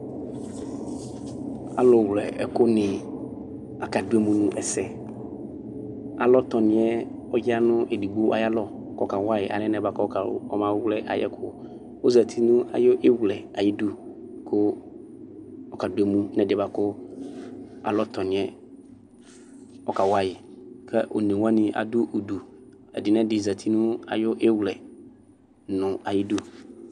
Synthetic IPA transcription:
a˨lɔ˨wlɛ˨ɛ˨kʊ˦nɪ̃˨ | a˨ka˨du˦e˦mũ˦nũ˦ʔɛ˨sɛ˦ | a˨lɔ˦t̪ɔ˨nɪ̃˨˦ɛ˦ | ɔ˦ja˦nʊ̃˦ʔe˨di˨ɡ͡bo˦ʔa̰˨ja˦lɔ˨kɔ˦ka˨wa˦jɪ˨ʔa̰˨lɛ̃˦nɛ̃˨ba˨kɔ˦ka˨˦ɔ̰˦mã˦wlɛ˦ʔa̰˨jɛ̰˦kʰʊ˦ | o˦za˨t̪ʰi˦nũ˦a̰˨jo˦ʔe˦wlɛ˨a˨jɪ˦du˦kʰʊ˦ | ɔ˦ka˨dʊ˨e˦mũ˦nɛ̃˨dɪ˨ba˨kʊ˦ | a̰˨lɔ˦tʰɔ˨nɪ̃˨ɛ˦ | ɔ˦ka˨wa˦jɪ˨kʰɛ˦ʔo̰˨nẽ˨wã˦nɪ̃˨ʔa̰˨dʊ˦ʔo˨du˨ | ɛ̰˨dɪ˨nɛ̃˦dɪ˨za˨tʰi˦nũ˦a̰˨jʊ˦ʔe˦wlɛ˨ | nʊ̃˨a˨jɪ˦du˦

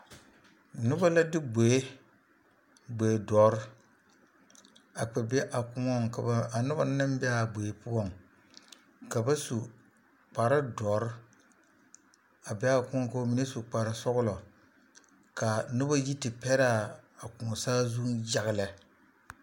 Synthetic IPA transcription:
nʊ˦ba˦la˦dɨ˦bo˨e˦ | ɡ͡bo˨e˨dɔ˨˦ɾ | a˨k͡pɛ˨bɛ˦ʔa˨kʊ˨mɔ˦ŋka˨a˨nʊ˦ba˦nɨ˦m˦bɛ˦a˨bo˨e˨pu˦ɔ˦˨ŋ | ka˨ba˦su˨ | k͡pa˨ɾa˦dɔ˨˦ɾ | a˨bɛ˦a˦˨kʊ˦mɔ˦ka˦mi˨ne˦su˨k͡pa˨ɾa˨sɔ˦ɣʊ˦lɔ˨ | ka˨nʊ˦ba˦ji˦tɨ˨pɛ˦ɾa˦˨a˨ku˨ŋɔ˨saː˦zu˦ŋja˦ɣɨ˨la˨

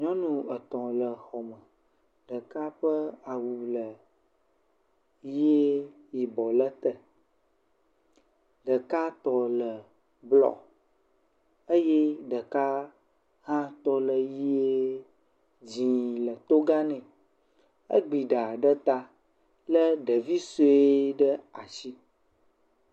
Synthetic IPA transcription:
ɲɔ̃˦nũ˦ə˨t̪ɔ̃˨lə˨xɔ˨mə̃˨ | ɖə˨ka˦ɸə˦a˨wu˨lə˨ | ji˦e˦ | ji˨bɔ˨lə˦t̪ə˦ | ɖə˨ka˦t̪ɔ˨lə˨ | blɔ̰˨ | ə˦jɛ˦ɖə˨ka˦ | hã˦t̪ɔ˦lə˨ji˦e˦ | d͡ʑĩ˨lə˨t̪o˦ɡa˦nɛ̃˨ | ə̰˦ɡ͡bi˨ɖa˨ɖə˦t̪a˦ | lə˦ɖə˨vi˦so˦e˦ɖə˦a˨t͡ɕi˦

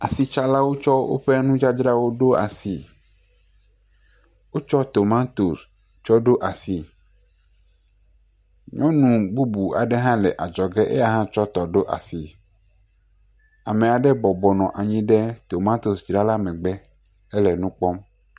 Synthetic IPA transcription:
a˨si˨t͡ʃa˦la˦wo˦t͡ʃɔ˦wo̰˦ɸɛ˦nũ˦d͡ʒa˦d͡ʒɾa˦wo˦ɖo˦a̰˨si˨ | wo˦t͡ʃɔ˦t̪o˨mã˦t̪o˨s | t͡ʃɔ˦ɖo˦ʔa˨si˨ | ɲɔ̃˦nũ˨bu˦bu˨a̰˨ɖɛ˦ɦã˦lɛ˨ʔa˨d͡ʒɔ˨ɡɛ˦ʔḛ˦ja˦ɦã˦t͡ʃɔ˦t̪ɔ˨ɖo˦ʔa̰˨si˨ | a˨mẽ˨a˨ɖɛ˦bɔ˨bɔ˨nɔ̃˨ʔa˨ɲĩ˦ɖɛ˦t̪o˨mã˦t̪o˨sd͡ʒɾa˦la˦mɛ̃˨ɡ͡bɛ˦ | ɛ˦lɛ˨nũ˦k͡pɔ˦m

